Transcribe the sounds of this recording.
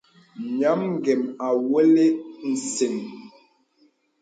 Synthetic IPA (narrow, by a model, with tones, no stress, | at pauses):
ɲa˨˦mŋ˦ɡɛ˨ma˨we˦le˦n̩˨se˨ŋ